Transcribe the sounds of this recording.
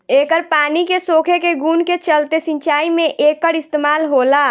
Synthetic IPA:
ekəɾpaːnikesokʰekeɡunket͡ʃəlt̪esĩɲt͡ʃaimẽʔekːəɾist̪emaːlɦola

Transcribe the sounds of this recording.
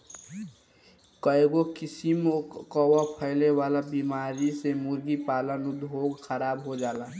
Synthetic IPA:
kəjɡokisimokɔwəpʰəɪlewalabimaɾisemuɾɡipaːlənud̪ʱɦoɡxʰəɾaːbɦod͡ʒaːla

